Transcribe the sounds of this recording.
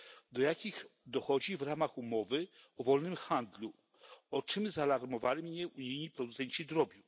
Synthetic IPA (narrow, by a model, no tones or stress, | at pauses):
d̪ɔjakʲixd̪ɔxɔd͡ʑivɾamaxumɔvɘɔvɔlnɘmxand̪lu | ɔt͡ʂɘmzaːlaɾmɔvalʲimɲɛʔuɲijɲipɾɔd̪ut̪sɛɲt͡ɕid̪ɾɔbʲjiw